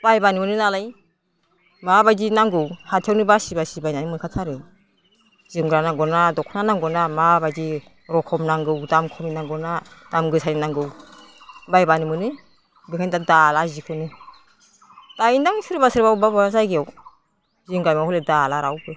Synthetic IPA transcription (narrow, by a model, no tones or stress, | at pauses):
b̥ajbanimɯnɯnalaj | mabajzinaŋɡɯwhatʰjawnɯbasibasibajnanimɯkʰatʰaɾɯ | zɯmɡɾanaŋɡɔnadɔkʰnanaŋɡɔnamabazi | ɾɔkʰɔmnaŋɡɯwdamkʰɔminaŋɡɔnad̥amɡɯsʰajninaŋɡɯw | bajbanimɯnɯ | bikʰandadalazikʰɯnɯ | tajndaŋsɯɾbasɯɾbawbabazajɡaw | ziŋɡajmawhɔledalaɾawbɯ